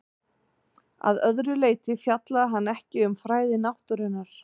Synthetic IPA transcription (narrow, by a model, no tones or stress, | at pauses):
a̰ðœðɾʏleːjt̪ɪfjat̪laðɪɦanːɛhcɪʏmfɾaːjðɪnawht̪ʏɾɪnːaɾ̥